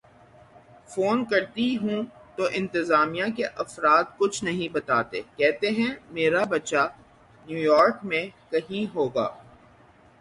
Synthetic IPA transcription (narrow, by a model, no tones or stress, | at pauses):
foːnkɐɾt̪iɦũt̪oʔɪ̃nt̪ɪzaːmijãkeʔɐfɾaːt̪̚kʊt͡ʃʰnɐɦĩbɐt̪aːt̪ḛːkɛːt̪eɦɛ̃meːɾabɐtːʃa | njuːjɔːɾkmẽkɐɦĩɦoːɡa̰ː